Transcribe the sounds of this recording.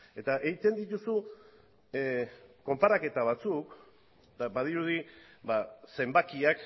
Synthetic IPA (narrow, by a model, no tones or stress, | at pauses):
e̞t̪aʔe̞ɣit̪e̞nd̪it̪usu | ko̞mpaɾake̞t̪aβ̞at͡suk | d̪abaðiɾuð̞ibase̞mbakiak